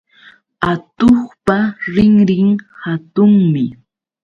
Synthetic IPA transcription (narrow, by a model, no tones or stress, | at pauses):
at̪oχpaɾɪŋɾɪŋhat̪ʊŋmɪ